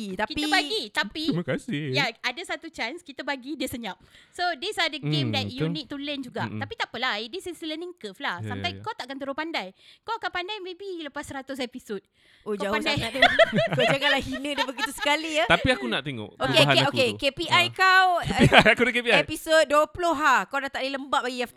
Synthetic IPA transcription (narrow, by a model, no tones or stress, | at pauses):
t̪akiiəbaɡit̪apimakasɪjaadəsat̪ut͡ʃanskit̪əbaɡidiəsəɲap̚sodisadəɡemdɛtjunik̚t̪ulənd͡ʒuɡa̰t̪apit̪apəlaidisisiləniŋkəflahsampajkawt̪aʔakant̪əɾopandajkawakanpandajmẽbiləpasːəɾat̪ʊs̬episot̚ | od͡ʒaapand͡ʒdajaʔt̪eokawd͡ʒaɡaʔlahhinə̃depəɡit̪usə̥kaliət̪apiakunaʔt̪eŋo̰ʔokeɦaeoekepiʔajkawiajakudəkepiaɛpisot̪̚duəpuloɦakawnat̪aʔdiləmbaʔbaɡia